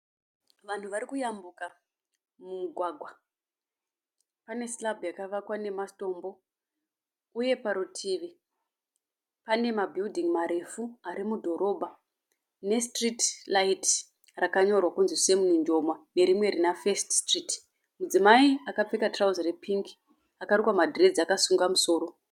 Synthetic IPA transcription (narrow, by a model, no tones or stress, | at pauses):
ʋan̤uʋaɾikujambuka | mumuɡʱwaɡʱwa | pane̞slabujakaʋakwane̞masto̞ːmbo̞ | uje̞paɾutʰiːʋi | pane̞mabʱildʱiŋmaɾe̞fuaɾimudʱo̞ɾʔo̞bʱa | ne̞stritlait | rakaɲo̞rwakunzse̞muniɲd͡ʒo̞mwane̞ɾimwe̞ɾinafe̞ststrit | mud͡zimaiakap͡fekatrauzrepʰiŋki̥ | akarukwamadʱire̞d͡ziakasuŋɡamuso̞ːɾo̞